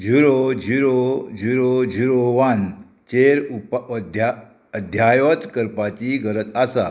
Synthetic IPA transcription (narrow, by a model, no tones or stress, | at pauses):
d͡ʑʱuɾod͡ʑʱuɾod͡ʑʱuɾod͡ʑʱuɾoʋan | t͡ɕeɾupd̪a | əd̪ʱjajɔt̪kəɾpat͡ɕiɡʱəɾət̪asa